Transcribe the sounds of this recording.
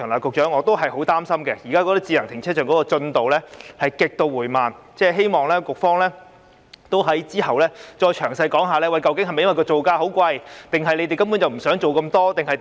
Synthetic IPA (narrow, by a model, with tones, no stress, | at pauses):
ŋlaː˨˩kʊ˨k̚t͡ʃœː˨˥ŋɔː˨˧t̪o˥wɦɐ˨˩jho˨˥wt̪aː˥msɐ˥mkɛ˧jiː˨˩kaː˥kɔ˧t̪ɐ˥t͡si˧lɐ˨˩ŋt̪ʰɪ˨˩ŋt͡sʰɛː˥t͡ʃœː˨˩ŋkɔː˨˥kɔː˧t͡sɵ˧nt̪o˨wlɛː˥hɐ˨jkɪ˨k̚t̪o˧wuː˨˩jmaː˨n | t͡sɛː˥˩ɦe˥jmɔː˨ŋlɛː˥kʊ˨k̚fɔː˥ŋlɛː˥ | t̪o˥wɦɐ˨˥jt͡siː˥hɐ˨wlɛː˥t͡ʃɔː˧jt͡ʃʰœː˨˩ŋsɐ˧jkɔː˨˥ŋɦaː˨lɛː˥wɐ˨˧jkɐ˧wkɪ˥ŋhjmɐ˨jwɐ˨˩kɔː˧t͡so˨wkaː˧ɦo˨˥wkʷɐ˧jt̪ɪ˨ŋɦɐ˨jle˨˧jt̪e˨jkɐ˥mpuː˨˥nt͡sɐ˨wm̩˨˩sœː˨˥ŋt͡so˨wkɐ˧mt̪ɔː˥t̪ɪ˨ŋhɐ˨